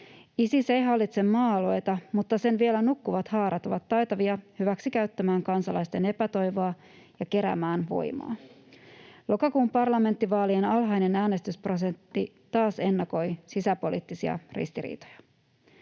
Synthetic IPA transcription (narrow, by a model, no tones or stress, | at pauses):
isisejɦɑlːit̪se̞mːɑːlo̞jt̪ɑmut̪ːɑse̞nʋielænukːuʋɑt̪hɑːɾʔɑt̪oʋɑt̪ːɑjt̪ɑʋiɑhyʋæksikæɥt̪ːæmæːŋkɑnsɑlɑjst̪e̞ne̞pæt̪o̞jʋoɑ | jɑke̞ɾæ̰mæːnʋo̞̰jmɑ̰ː | lo̞kɑkuːmpɑrlɑme̞nt̪ːiʋɑːlienɑlɦɑjne̞næːne̞st̪yspros̬e̞nt̪ːi | t̪ɑːse̞nːɑko̞jsisæpo̞lḭːt̪ːisiɑ̰rḭst̪iɾḭːt̪o̥jɑ̥